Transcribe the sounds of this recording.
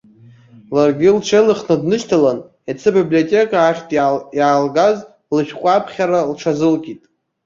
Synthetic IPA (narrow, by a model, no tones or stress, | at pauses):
larɡʲɪlʈ͡ʂʰelɨχnadnɨʃtʰalan | at͡sʰɨbibliotʲʼe̞kʼaːχʲtʼjaːlɡaz | lɨʃᶣqʷʼapʰχʲaɾalʈ͡ʂʰazɨlkʲʼitʼ